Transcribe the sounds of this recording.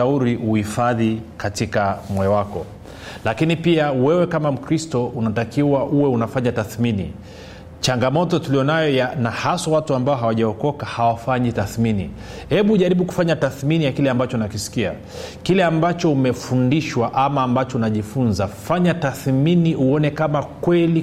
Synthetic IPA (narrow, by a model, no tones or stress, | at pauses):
auɾiuhifaðikatikamwɛɔwakɔ | lakinipiawɛwɛkamam̩kɾistɔunatakiwaʔuwɛunafaɲataθminḭ | t͡ʃaŋɡamɔtɔtulijɔnajɔjanahaswawatuambaɔɦawaʄaɔkɔkahawafaɲitaθminḭ | hɛɓuʄaɾiɓuku̥faɲataθminijakilɛambat͡ʃɔnakisi̥kia̰ | kilɛambat͡ʃɔumɛfundiʃwaʔamaːmbat͡ʃɔunaʄifunzafaɲataθminiuɔnɛkamakwɛli